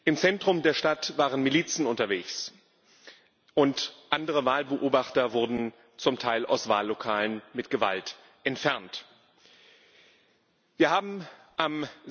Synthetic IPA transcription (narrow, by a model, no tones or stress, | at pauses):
ʔɪmt͡sɛntʁ̥ʊmdeːɐʃtatv̥aːʁ̞ənmiliːt͡sn̩ʊntɐveːçs | ʔʊntʔandəʁəvaːlbəʔoːbaχtɐvʊɐdn̩ | t͡sʊmtʰaɪlʔa̰ʊsv̥a̰ːlːokʰaːlənmɪtɡ̥əva̰lt | ʔɛntfɛɐnt | viːɐhaːbm̩ | ʔam